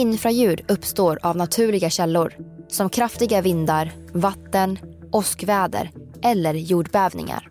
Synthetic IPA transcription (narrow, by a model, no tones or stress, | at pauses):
ɪnfɾajʉ̟ːɖɵpːst̪oːɾavnat̪ʰʉ̟ːɭɪɡaɕɛlːʊɾsɔmkʰɾaft̪ɪɡavɪnd̪aɾ | vat̪ːənʔɔskvɛːd̪ə̰ɾʔɛlːəɾjuːɖbɛːvnɪ̰ŋa̰ɾ